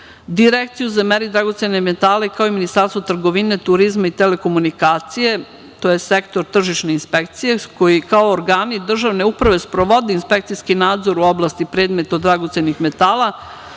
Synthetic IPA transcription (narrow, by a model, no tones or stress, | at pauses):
d̪iɾekt̪sijuzameɾid̪ɾaɡo̞t̪senemet̪aːlaikaoiminist̪aːɾst̪ot̪r̩ɡo̞ʋine̞t̪uɾizmait̪ele̞ko̞munikaːt̪sije̞ | t̪ojesekt̪o̞ɾt̪r̩ʒiʃneinspekt̪sije̞ko̞jikaooɾɡaːnid̪r̩ʒaʋne̞upɾaʋe̞spɾoʋo̞d̪einspek̚t̪sijskinaːd̪zo̞ɾuo̞blˠaːst̪ipɾe̞ːd̪me̞t̪od̪ɾaɡot̪senixme̞t̪aːlˠa